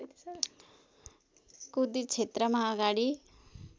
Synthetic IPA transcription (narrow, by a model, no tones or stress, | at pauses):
kud̪it͡ʃʰet̪ɾəmãəɡaɽi